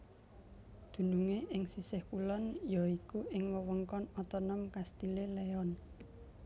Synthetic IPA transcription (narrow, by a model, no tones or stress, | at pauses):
d̪̥ṳnuŋeʔɪŋsisɪhkulɔnjɔikuʔɪŋwəwəŋkɔnɔt̪ɔnɔmkast̪ileleɔn